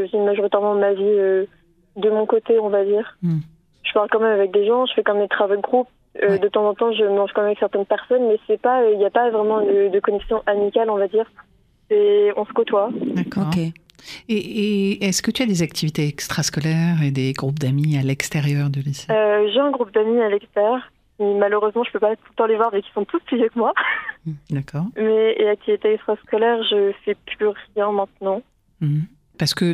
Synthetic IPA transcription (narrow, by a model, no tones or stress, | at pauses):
əzimaʒoʁit̪ɛʁmɑ̃maviø | d̪əmɔ̃kot̪eɔ̃vad̪iːʁ | ʒ̥əpaʁlkɑ̃mɛmavɛk̚d̪eʒɑ̃ʒəfɛkɑ̃mɛmd̪et̪χavojɡʁup̚ | ød̪ət̪ɑ̃zɑ̃t̪ɑ̃ʒəməlɑ̃ʒkɑ̃mɛmavɛksɛʁt̪ɛnpɛʁsɔnmɛsɛpaøiljapavʁɛmɑ̃d̪əd̪əkɔnɛksjɔ̃ʔamikʲalɔ̃vad̪iːʁ | sɛɔ̃sə̥kot̪wad̪akɔːʁ | eːɛskət̪yad̪ezakt̪ʰivit̪eɛkst̪χaskɔlɛʁed̪eɡʁupd̪amialɛkst̪eʁjœʁd̪əliseøʒeɛ̃ɡʁup̚d̪amialɛkst̪ɛʁjœʁ | kimaløʁøzmɑ̃ʒəpøpat̪ult̪ɑ̃levwaʁvɛki̥lsɔ̃t̪usplizekəmwa | d̪akɔːʁmɛeak̚t̪ivit̪eɛkst̪χaskɔlɛʁʒəfɛplyʁjɛ̃mɛ̃t̪nɑ̃ | paʁsə̥kə